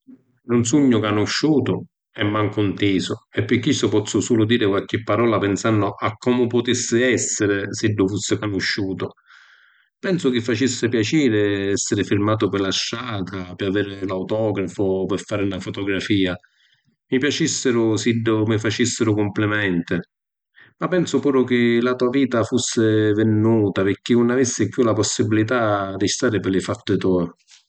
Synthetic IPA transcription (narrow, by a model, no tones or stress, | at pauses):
ɾʊnsuɲːʊkanʊʃːuːt̪ʊ | ɛmːaŋkunt̪iːsʊɛpːɪk̟ːisːʊpɔt̪sːʊsuːlʊd̪iːɾɪkwalk̟ɪpːaɾɔːlapɪnsanːʊʔakːɔːmʊpʊt̪isːɪɛsːɪɾɪsiɖːʊfusːɪkanʊʃːuːt̪ʊ | pɛnsʊkɪfːat͡ʃisːɪpjat͡ʃiːɾɪɛsːɪɾɪfiɾmaːt̪ʊpɪlaʃːaːt̪ʰapɪaveːɾɪlawt̪ɔːɡɾafʊpɪɾfːaːɾɪunafot̪oɡɾafiːa | mipjat͡ʃisːɪɾʊsiɖːʊmɪfat͡ʃisːɪɾʊkʊmplɪmɛnt̪ɪ | mapːɛnsʊpuːɾʊk̟ɪlat̪uːaviːt̪afusːɪvɪnːuːt̪apɪɾk̟ːɪunːavisːɪkjulapɔsːibilit̪ad̪ist̪aːɾɪpɪlɪfat̪ːt̪ɔj